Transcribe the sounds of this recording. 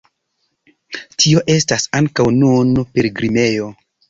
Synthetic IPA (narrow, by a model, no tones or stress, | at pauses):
tʰio̞ʔe̞stasaŋkawnunpe̞ɾɡɾime̞jo̞